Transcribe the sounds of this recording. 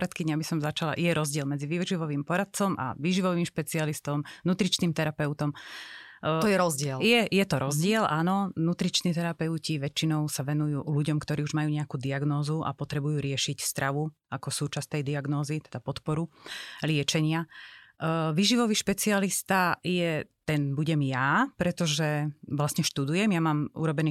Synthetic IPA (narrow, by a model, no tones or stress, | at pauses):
ɾat̪kidɲabisɔmzat͡ʃala̰ʔjɛɾɔzɟɪɛlmɛd͡ziʋiʒiʋɔʋiːmpɔɾat̪̚t͡sɔmʔa̰ʋiʒiʋɔʋiːmʃpɛt͡sialist̪ɔmnut̪ɾit͡ʃniːmt̪ɛɾapɛʊt̪ɔm | t̪ɔjɛɾɔzɟɪɛljɛjɛt̪ɔɾɔzɟɪɛlʔanɔnut̪ɾit͡ʃniːt̪ɛɾapɛʊciʋɛt͡ʃinɔʊsaʋɛnujuːluɟɔmkt̪ɔɾiːuʒmajuːɲɛakuːd̪iaɡnɔːzuʔa̰pɔt̪ɾɛbujuːɾɪɛʃicst̪ɾʔaʋu | akɔsuːt͡ʃast̪ɛjd̪iaɡnɔːzit̪ɛd̪apɔt̪pɔɾulɪɛt͡ʃɛɲɪa | ʋiːʒiʋɔʋiːʃpɛt͡sialist̪ajɛt̪ɛnbuɟɛmjapɾɛt̪ɔʒɛʋlasɲɛʃt̪ud̪ujɛmjamaːmṵɾɔbɛniː